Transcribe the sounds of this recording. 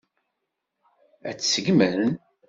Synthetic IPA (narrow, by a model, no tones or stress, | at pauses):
æ̰t͡sːsəɡməɾən